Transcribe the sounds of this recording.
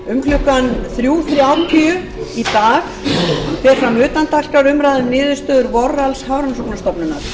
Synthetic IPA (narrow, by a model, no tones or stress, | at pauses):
ʏmkʰlʏkanθɾjuːθɾjawt̪ʰʏ | it̪aːx | fɛr̥fɾamʏːt̪ant̪ar̥kaɾʏmɾajðʏmnɪːðʏst̪œːðʏɾvɔralshawɾansɔpnḁst̪ɔpnʏnaɾ̥